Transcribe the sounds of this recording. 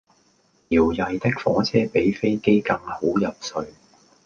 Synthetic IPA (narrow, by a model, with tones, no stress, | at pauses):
jiː˨˩wjɐ˨jt̪ɪ˥k̚fɔ̰ː˨˥t͡sʰɛː˥pe˨˥jfe˥jke˥jkɐ˧ŋho˨˥wjɐ˨p̚sɵ˧ɥ